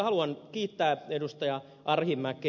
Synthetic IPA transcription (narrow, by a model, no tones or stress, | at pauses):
hɑluɑnkiːt̪ːæːedust̪ɑjɑ | ʔɑrhimːækːe